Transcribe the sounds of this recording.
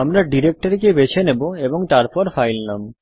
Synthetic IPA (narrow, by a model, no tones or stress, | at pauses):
amɾaɖiɾek̚ʈaɾk̬ebet͡ɕʰeneboeboŋt̪aɾpɔɾfajlnam